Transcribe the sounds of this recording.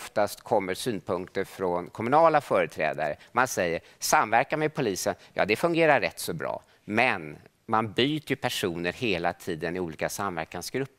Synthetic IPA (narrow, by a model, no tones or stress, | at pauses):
ft̪ast̪kʰɔmːəʂyːnpʰɵŋkt̪əɾfɾɔnkʰɔmɵnɑːlafœːɾət̪ʰɾɛ̰ːd̪a̰ɾə̰mansɛjːəɾ | samvæɾkamɛd̪pʰʊliːsənjɑ̰ːd̪ɛfɵŋɡeːɾaɾːɛt̪ːsɔbɾɑ̰ː | mɛn | manbyːt̪əjɵpʰæʂuːnəɾheːlat̪ʰiːd̪ənɪuːliːkasamvæ̰ɾkansɡ̥ɾɵpːə